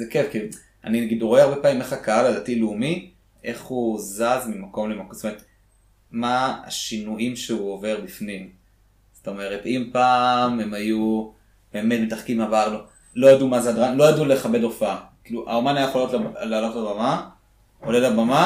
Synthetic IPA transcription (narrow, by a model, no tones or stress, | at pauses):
zekefki | a̰ninaɡidʁoeaʁbe̞paːmimeχakaaladatileumi | ʔe̞χhuzazmimako̞mlemakzotomeet̪ | maa̰ʃinuʔimʃeuove̞ʁbifnim | z̥oto̞me̞ʁetimpaːme̞maju | b̥e̞ːmetmetaχkimavaʁnu | lo̞jadumazeadʁanlo̞jadule̞χabe̞dofaakiluʔa̰omanajajeχoljotlalaːlo̞tlabama | olelabama